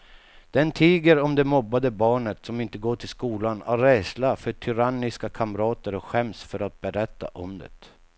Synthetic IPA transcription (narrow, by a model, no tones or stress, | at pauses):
d̪̥ɛnt̪ʰiːɡəɾɔmd̪ɛmɔbːad̪əbɑːɳət̪sɔmɪnt̪əɡoːʈʰɪlskuːlanaɾɛslafœʈʰʏɾanːɪskakʰamɾɑːt̪əɾɔkɧɛmsfœɾat̪̚bɛɾɛt̪ːa̰ʔɔmd̪ə̰t̪